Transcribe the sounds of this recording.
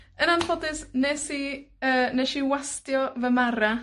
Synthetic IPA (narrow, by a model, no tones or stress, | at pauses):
ənanfʰɔdɪsnesiəːneʃiwastjɔvəmaɾa